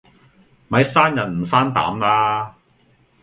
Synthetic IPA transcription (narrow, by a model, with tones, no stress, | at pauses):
mɐ˨˥jsaː˥njɐ˨˩nm̩˨˩saː˥nt̪a̰ː˨˥mlaː˥